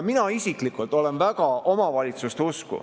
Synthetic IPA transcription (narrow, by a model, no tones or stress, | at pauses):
minɑisiklikːˑult̪ːˑo̞lenvæɡɑo̞mɑvɑlʲit̪sust̪euskṵ